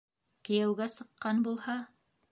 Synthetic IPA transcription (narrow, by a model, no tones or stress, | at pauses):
kɘ̆jæwɡæsɤ̆qːɑnbulˠhɑ